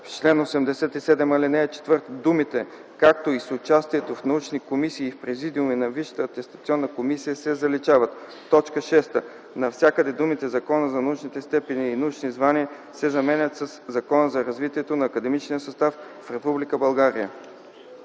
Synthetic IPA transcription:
ft͡ʃlɛnosɛmd̪ɛsɛt̪isɛd̪ɛmɐlinɛt͡ʃɛ̥t̪vɤɾt̪d̪umit̪ɛ | kak̚t̪oisʊt͡ʃast̪iɛt̪ofnɐut͡ʃnikomisiːfpɾɛzid̪iuminɐviʃə̥t̪ət̪ɛst̪ɐt̪siɔnːəkomisijəsɛzɐlit͡ʃavət̪ː | ɔt͡ʃkəʃɛst̪ə | nɐfsʲjakəd̪ɛd̪umit̪ɛzɐkɔnəzɐnɐut͡ʃnit̪ɛst̪ɛpɛniːnɐut͡ʃnizvaniə | sɛzɐmɛnʲət̪səszɐkɔnəzɐɾɐzvit̪iɛt̪onɐːkɐd̪ɛmit͡ʃnijəsɐst̪af | fɾɛpublikəbɐlˠɡaɾijə

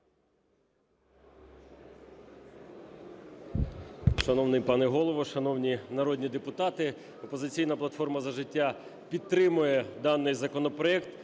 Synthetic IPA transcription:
ʃɐnɔwnɪjpɑnɛɦɔlˠɔʋɔʃɐnɔwnʲinɐɾɔdʲnʲid̪epʊt̪ɑt̪ɪ | ɔpɔzɪt͡sʲijnɐplˠɐt̪fɔrmɐzɐʒɪtʲːa | pʲid̪̚t̪ːɾɪmʊjɛd̪ɑnːɪjzɐkɔnɔpɾɔɛkt̪

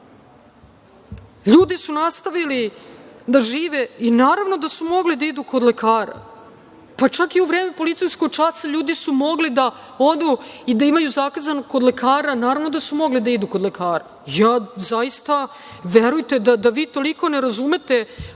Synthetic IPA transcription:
ʎuːd̪isunast̪aʋilid̪aʒiːʋeinaːɾaʋno̞d̪asumo̞ɡlid̪aid̪uko̞d̪le̞kʰaːɾa̰ | pat͡ʂakiuvɾeːme̞po̞lit̪sijsko̞ɡ̚t͡ʂasaʎuːd̪isumo̞ɡlid̪a | o̞d̪uid̪aimajuzakazanoko̞d̪le̞kʰaːɾanaːɾavnod̪asumo̞ɡlid̪aid̪ukod̪lekʰaːɾa̰ | jaːzaist̪a | ʋeɾujt̪ed̪ad̪aʋiːt̪o̞liko̞neɾazume̞t̪e̞

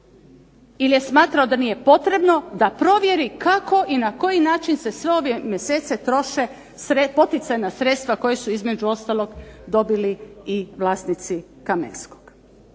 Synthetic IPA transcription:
ilje̞smaːt̪ɾaod̪anije̞po̞t̪ɾe̞bno̞d̪apɾo̞ʋje̞ɾikako̞ʔinako̞jinaːt͡ʃinse̞sʋe̞o̞ʋje̞mjeseːt̪se̞t̪ɾo̞ʃe̞ | sɾepo̞t̪it̪sajnasɾe̞t̪st̪ʋako̞jesuizme̞d͡ʒuo̞st̪alˠo̞ɡd̪o̞biliiʋlˠaːsnit̪si | kamḛnskoɡ̥

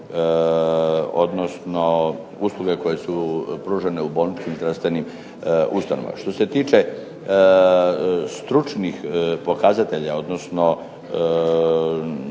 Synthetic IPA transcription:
o̞d̪no̞sno̞ | uslˠuɡe̞ko̞jesupɾuːʒene̞ubo̞lnit͡ʃkimzd̪ɾast̪ʋe̞nim | ust̪ano̰ʋa̰ma̰ʃt̪o̞se̞t̪iːt͡ʃe̞ | st̪ɾut͡ʃnixpo̞kazat̪e̞ʎao̞d̪nosno̞

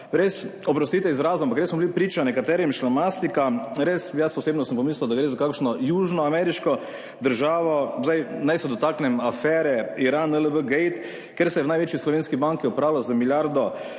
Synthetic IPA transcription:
ɾesɔpɾɔst̪iːt̪ɛizɾaːzɔampakɾesmɔblipɾiːt͡ʃanɛkat̪ɛːɾimʃlamast̪ikamɾesjasɔseːbnɔsəmpɔmisləwd̪aɡɾeːzakakʃnɔjuːʒnɔamɛɾiʃkɔ | d̪əɾʒaːʋɔzajnajsɛd̪ɔt̪aknɛmafɛːɾɛiɾanələbəɡɛjt̪ | keɾsɛjɛwnajʋeːt͡ʃjislɔʋeːnskibaŋkiɔpɾawlazamiljaɾd̪ɔ

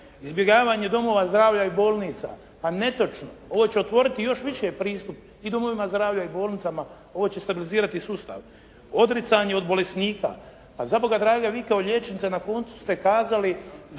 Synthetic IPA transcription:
izbjeɡaːʋaːɲe̞d̪o̞mo̞ːʋazd̪ɾaːʋʎaibo̞ːlˠniːt̪sa̰ | pane̞t̪o̞t͡ʃnoo̞ʋo̞ːt͡ɕeot̪ʋo̞ɾit̪ijo̞ʃʋiʃepɾiːst̪up | id̪o̞mo̞ʋimazd̪ɾaːʋʎaibo̞ːlˠnit̪ama | o̞ʋo̞ːt͡ɕe̞st̪abiliziːɾat̪isust̪a̰ʋ | o̞d̪ɾit̪saɲe̞o̞d̪bo̞le̞sniːka̰ | pazabo̞ɡad̪ɾaːɡaʋiːkaoʎe̞t͡ʃenit̪sanako̞ːnt̪su̥st̪e̞kaːzali

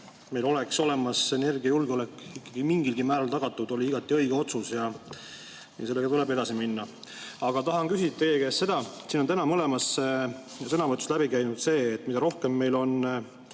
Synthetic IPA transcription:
me̞jlo̞le̞kso̞le̞mɑse̞ne̞rɡiɑjulɡ̥eo̞lækːˑikːɑɡ̥imiŋɡilɡimæːɾɑlt̪ɑɡ̥ɑt̪ːˑud̪̥o̞lʲiiɡ̥ɑt̪ːˑiɤ̞jɡ̥eo̞t̪susjɑ | ḭse̞lːeɡɑt̪ulebe̞d̪ɑsiminːɑ | ɑɡ̥ɑt̪ɑɦɑnkysit̪ːˑɑeːɡesse̞d̪̥ɑsiːnont̪ænɑmɤle̞mɑse | sɤnɑvɤt̪ˑːuslæbikæjnud̪se̞ːt̪ːmid̪ɑɾo̞hke̞mːe̞jlo̞n

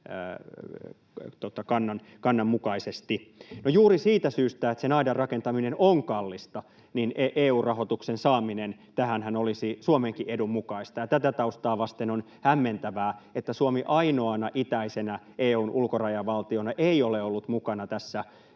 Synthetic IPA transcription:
t̪ot̪ɑkɑnːɑn | kɑnːɑmmukɑisest̪inojuːrisiːt̪æsyːst̪æet̪senɑidɑrrɑkent̪ɑminenʔoŋkɑlːist̪ɑ | nineʔeːuːrrɑhot̪uksensɑːminent̪æhænhænolisisuomeŋkiʔedummukɑist̪ɑjɑt̪æt̪æt̪ɑust̪ɑːʋɑst̪enon | hæmːent̪æʋæːet̪ːæsuomiʔɑinoɑnɑʔit̪æisenæ | ʔeːuːnʔulkorɑjɑʋɑlt̪ionɑʔeioleolːut̪mukɑnɑt̪æsːæ

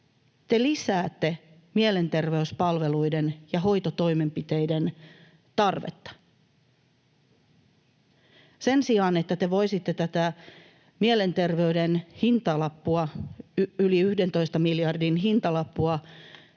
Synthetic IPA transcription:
t̪e̞lisæːt̪ːe̞ | miele̞nt̪e̞rʋeyspɑlʋe̞luidenjɑɦo̞jt̪ot̪oime̞mpit̪ejden | t̪ɑrʋḛt̪ːɑ̥ | se̞nsiɑnet̪ːæt̪eʋoisit̪ːe̞t̪æt̪æ | miele̞nt̪e̞rʋe̞ydenhint̪ɑlɑpːuɑ | yliyhdent̪o̞ist̪ɑmiljɑrdinɦint̪ɑlɑpːuɑ

